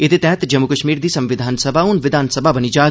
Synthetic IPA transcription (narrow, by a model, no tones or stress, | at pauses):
ɪt̪et̪ɛ̃ːt̪d͡ʒɐmːukɐʃmiːɾd̪iːsɐ̃mʋɪd̪ʱaːnsɐbʱaʊnʋɪd̪ʱaːnsɐbʱabɐnid͡ʒaː